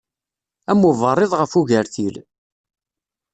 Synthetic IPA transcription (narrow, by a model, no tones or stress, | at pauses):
æmːəvərˤːɪðˤʁəfuʝəɾθil